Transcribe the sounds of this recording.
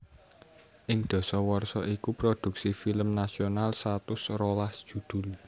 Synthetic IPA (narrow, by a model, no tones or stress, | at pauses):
ʔɪŋd̪̥ɔ̤sɔwɔrsɔʔikupɾod̪̥ṳk̚sifiləmnasionalst̪at̪ʊsrolasd̥ʒ̥ṳd̪̥ṳl